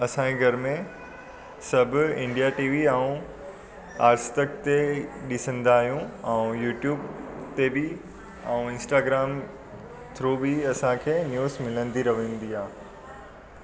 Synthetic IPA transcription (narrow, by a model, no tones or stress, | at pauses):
ɐsãiɡʱɐɾmẽ | sɐbʱʊɪ̃ɳɖijaʈiːʋiaũ | aːɾsʈəkt̪eɗɪsə̃nd̪aːɦijũɛ̃ũjuːʈjuːbt̪ebɪ | aũɪ̃nsʈaːɡɾaːm | t̪ʰɾobiɐsãkʰeːnjuːzmɪlə̃nd̪iɾɐʋĩːn̆d̪iaː